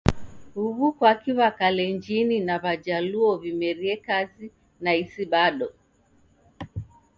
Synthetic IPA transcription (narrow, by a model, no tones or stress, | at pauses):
huβukwakiwakalɛɲd͡ʒininaβad͡ʒaluɔvimɛɾiɛkazi | naisiɓaɗɔ